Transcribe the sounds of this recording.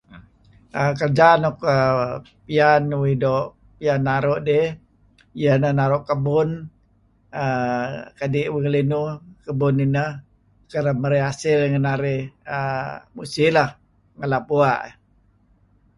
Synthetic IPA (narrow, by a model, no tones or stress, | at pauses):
əkərd͡ʒanɔkə | pianwidoʔ | pianːaɾoʔde | jənəhnaɾoʔkəbʊn | əkadɪʔwiŋəlinukəbʊninəh | kəɾəməɾeasɪlŋənaɾɪəmusɪlah | ŋəlap̚uaʔ